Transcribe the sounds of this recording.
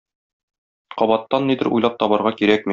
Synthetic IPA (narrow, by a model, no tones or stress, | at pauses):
qɒbɑt̪ːɑnːid̪ɘ̆ɾṵjlˠɑp̚t̪ɒbɑ̆ɾʁɑkiɾæk̚mi